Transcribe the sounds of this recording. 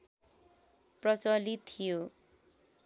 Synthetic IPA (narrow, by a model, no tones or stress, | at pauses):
prʌsʌlit̪ʰijo